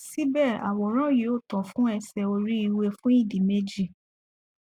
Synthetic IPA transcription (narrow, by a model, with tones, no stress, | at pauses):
si˦bɛ˦˨ɾa̰˨wɔ˨˦ɾ̃ã˦je˨˦o˦˨tɔ̃˨fũ˦ɛ˧sɛ˧o˧ɾi˦i˧we˧fũ˦ĩ˦˨di˨me˦d͡ʒi˦˨